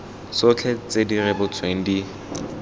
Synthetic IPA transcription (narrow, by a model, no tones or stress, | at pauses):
sʊt͡ɬʰɛt͡sedirɛbʊt͡sʰweŋ̩di